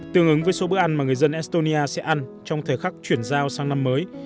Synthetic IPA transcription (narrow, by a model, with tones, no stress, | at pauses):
t̪ɨ˨˧˩əŋʔɨ˨˦ŋvəː˨˦jso˨˦ɓɨ˦˥əkʔa˧nmaː˨˩ŋɨ˨˩əjzə˧nʔɛ˦˥st̪o˧ni˧ʔaː˧sɛ̰˧˥ʔa˧nt͡ɕɔ˧wŋ͡mt̪ʰəː˨˩jxa˦˥k̚t͡ɕwi˧˩ənzaː˧wsaː˧ŋna˧mːəː˨˦j